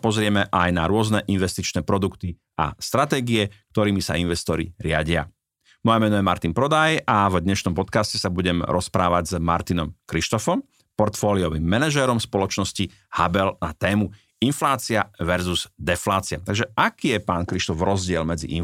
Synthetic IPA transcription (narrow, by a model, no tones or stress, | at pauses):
pɔzɾɪɛmɛʔajnaɾʊɔznɛʔinʋɛst̪it͡ʃnɛːpɾɔd̪ukt̪i | ʔa̰st̪ɾat̪ɛːɡiɛk̚t̪ɔɾiːmisa̰inʋɛst̪ɔɾḭɾɪaɟɪa̰ | mɔjɛmɛnɔjɛmaɾt̪inpɾɔd̪ajavd̪ɲɛʃnɔmpɔt̪kascɛsabuɟɛmɾɔspɾaːʋaɟzma̰ɾt̪inɔmkɾiʃt̪ɔfɔm | pɔɾt̪fɔːliɔʋimːɛnɛʒɛɾɔmspɔlɔt͡ʃnɔsci | habɛlnat̪ɛːmu | inflaːt͡siaʋɛɾzuz̥d̪ɛflaːt͡siat̪aɡʒɛʔakiːjɛpaːnkɾiʃt̪ɔvɾɔzɟɪɛlmɛd͡zḭʔḭ